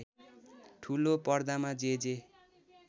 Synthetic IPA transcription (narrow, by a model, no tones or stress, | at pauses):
ʈʰulopʌrd̪amad͡zed͡ze